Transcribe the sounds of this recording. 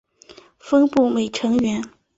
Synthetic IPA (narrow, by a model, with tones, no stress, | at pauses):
fɤ˥ŋpu˥˩me˨˩ɪʈ͡ʂʰɤ˧˥ŋɥɛ˧˥n